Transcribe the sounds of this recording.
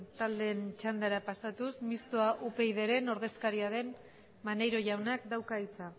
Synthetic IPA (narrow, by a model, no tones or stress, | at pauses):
t̪ald̪e̞ːnt͡ʃand̪aɾapasat̪usmist̪oaʔupe̞jðe̞ɾe̞no̞ɾðe̞skaɾiaðe̞n | manejɾo̞ʝawnakd̪awkait͡sa